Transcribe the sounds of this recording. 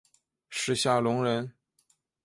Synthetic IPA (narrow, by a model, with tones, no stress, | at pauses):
ʂɻ̩˥˧ɕja˥˩lʊ˧˥ŋɻə˧˥n